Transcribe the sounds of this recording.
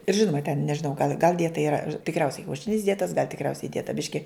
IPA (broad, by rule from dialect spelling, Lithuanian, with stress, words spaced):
ɪr ˈʒʲɪnʊmɐ tʲɛn nʲɛʒʲɪˈnɐʊ ɡɐlˠ ɡɐlˠ tɐɪ ɪˈrɐ tʲɪkˈrʲɛʊsʲɛɪ kʲɛʊˈʃʲɪnʲɪs ˈdʲiɛtɐs ɡɐlʲ tʲɪkˈrʲɛʊsʲɛɪ ˈdʲiɛtɐ ˈbʲɪʃʲkʲɪ